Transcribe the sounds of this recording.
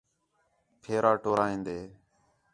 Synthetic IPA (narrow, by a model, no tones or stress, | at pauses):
pʰeːɾaːʈoːɾaːĩːnd̪eː